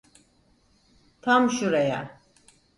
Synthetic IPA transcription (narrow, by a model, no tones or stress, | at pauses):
t̪ʰamʃuɾaja̰